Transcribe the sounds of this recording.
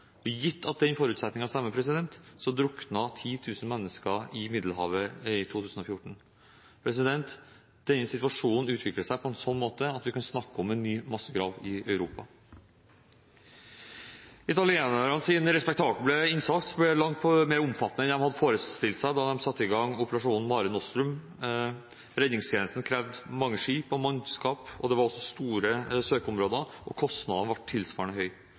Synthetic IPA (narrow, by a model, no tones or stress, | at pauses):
ɔjɪt̪ʰːɑt̪̚d̪ɛnfɔːɾʉːt̪sɛt̪nɪŋɑst̪ɛmːəpʰɾɛsɪd̪ɛnt̪sɔd̪ɾʊknɑt̪ʰiːt̪ʰʉːsən̩mɛnːəskəɪmɪd̪l̩hɑ̰ːʋəɪt̪ʰuːt̪ʰʉːsn̩ɔfjʊʈɳ̩ | pʰɾɛs̬ɪd̪ɛnt̪ | d̪̥ɛnːəsɪt̪ʋɑʂuːnn̩ʉːt̪ʋɪkləsæɪpʰɔɛnsɔnːmoːt̪əɑt̪ʋɪkɑnsnɑkːəɔmɛnːyːmɑsːəɡɾɑːʋɪœʉɾuːpɑ | ɪt̪ɑlɪeːnəɾɑnsɪːnɾɛspɛkt̪ʰɑːblblɛɪnsɑkt̪sblɛlɑŋt̪̚pʰmeːɾʊmfɑt̪ːənəɛnd̪ɛmhɑd̪ːəfoːɾəst̪ɪlt̪sæɪd̪ɑd̪ɛmsɑt̪ːɪɡɑŋʊpəɾɑʂuːnn̩mɑːɾənɔst̪ɾʉm | ɾɛd̪nɪŋst̪ʰjeːnəst̪n̩kʰɾɛʋd̪mɑŋːəʂiːpɔmɑnskɑːpɔ̰d̪ɛʋɑɾɔsːɔst̪uːɾəsøːkəʊmɾoːd̪əʔɔkʰɔst̪nɑ̰d̪ɑnəʋɑʈʰːɪlsʋɑ̰ːɳəɦœʏ